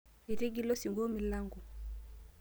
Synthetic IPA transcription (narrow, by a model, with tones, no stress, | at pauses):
i˨ɾi˦ɡi˦lɔ˦si˨ŋɡo˦mi˨la˦ŋɡu˨